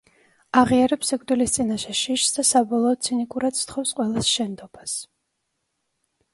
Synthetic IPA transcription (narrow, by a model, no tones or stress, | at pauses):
aʁiaɾɛpsɛkʰʼd̪wilist̪sʼinaʃɛʃiʃsd̪asabɔlˠɔːd̪̚sʰinikʼuɾad̪st̪ʰχɔfsqʼwɛlˠasʃɛnd̪ɔbas